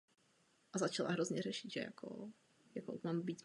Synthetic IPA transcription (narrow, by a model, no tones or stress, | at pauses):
ʔazat͡ʃala̰ɦɾo̞zɲɛrɛʃɪt̪ʒɛ̰ja̰kʰo̰ | jakoʔmambiːt̪